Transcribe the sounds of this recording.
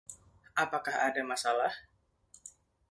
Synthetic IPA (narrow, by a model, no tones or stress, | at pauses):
ʔapakahadamasalah